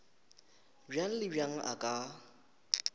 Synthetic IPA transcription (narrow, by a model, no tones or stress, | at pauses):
bjaŋ̩lɪbjaŋ̩ʔa̰kʼa